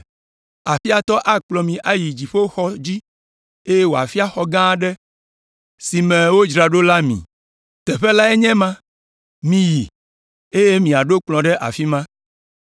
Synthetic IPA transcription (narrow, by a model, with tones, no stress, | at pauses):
a˨fi˦a˨t̪ɔ˦ʔa˦k͡plɔ˨mĩ˨ʔa˦ji˨d͡ʒi˨ɸe˦xɔ˦d͡ʑi˦ | e˦je˦wo˨a̰˨fi˦a˦xɔ˨ɡã˦ɖɛ˦ | si˨mɛ̃˨wo˦d͡ʒɾa˨ɖo˦la˦mḭ̃˨ | t̪ɛ˨ɸe˦la˦ɛ˦ɲɛ̃˦mã˦ | mĩ˨ji˨ | e˦je˦mĩ˨a˨ɖo˦k͡plɔ̃˨ɖɛ˦ʔa̰˨fi˦mã˦